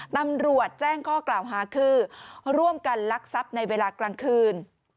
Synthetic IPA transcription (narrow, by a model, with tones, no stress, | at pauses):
t̪a˧mɾu˨˩ət̪̚t͡ɕɛː˥˩ŋkʰɔː˥˩klaː˨˩wɦaː˩˦kʰɯː˧ɾu˥˩əmka˧nla˦˥k̚sa˦˥p̚na˧jweː˧laː˧klaː˧ŋkʰɯː˧n